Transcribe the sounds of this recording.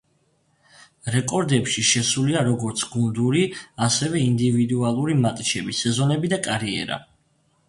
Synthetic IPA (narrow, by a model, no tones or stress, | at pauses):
ɾɛkʼɔɾd̪ɛpʃiʃɛsuliaɾɔɡɔɾt̪sʰɡund̪uɾiasɛvɛind̪ivid̪ualˠuɾimat̪ʼt͡ʃʰɛbisɛzɔnɛbid̪akʼaɾiɛ̰ɾa̰